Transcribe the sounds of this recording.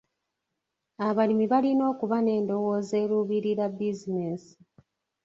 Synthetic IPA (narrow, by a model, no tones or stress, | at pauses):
aβalimiβalino̞ːkuβane̞ːndo̞wo̞ːze̞ːɾuːβiɾiɾabizine̞si̥